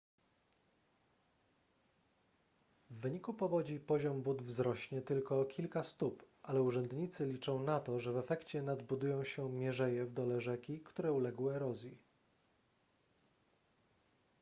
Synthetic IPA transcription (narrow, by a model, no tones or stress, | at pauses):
vːɘɲikupɔvɔd͡ʑipɔʑɔmbud̪vzɾɔɕɲɛt̪ɘlkɔkʲʰilkast̪upʔalɛuʐɛnd̪ɲit̪sɘlʲit͡ʂɔ̃w̃nat̪ɔʐɛvɛfɛkt͡ɕɛnad̪bud̪ujɔ̃w̃ɕɛmʲjɛʐɛjɛvd̪ɔlɛʐɛkʲikt̪uɾɛulɛɡwɘɛɾɔzʲji